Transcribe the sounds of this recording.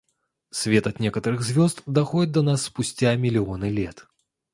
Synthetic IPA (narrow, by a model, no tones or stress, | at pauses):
sʲvʲɛt̪ɐt̪nʲɛkɐt̪ɐɾɨɣzʲvʲɔzt̪d̪axɔdʲɪt̪̚d̪ɐnasːpʊsʲt͡sʲamʲɪlʲiɔnɨlʲɛt̪